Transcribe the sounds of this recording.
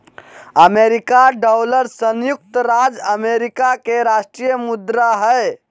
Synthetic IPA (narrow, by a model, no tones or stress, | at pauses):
əmeɾikaɖawləɾsənjuk̚t̪ɾad͡ʒəmeɾikakeɾaʃʈɾijəmud̪ɾaɦə